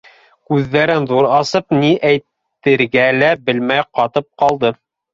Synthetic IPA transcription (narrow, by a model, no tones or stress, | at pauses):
kʉðːæɾɘnðuɾɑsɤpniʔæjt̪ː | ɘ̆ɾɡælæbɘ̆lmæjqɑt̪ɤp̚qɑlˠd̪ɤ